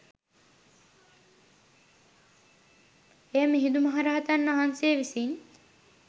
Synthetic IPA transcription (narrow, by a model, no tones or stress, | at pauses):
ejəmiɦid̪umɐɦaɾaɦat̪anːʋaɦanseːʋisin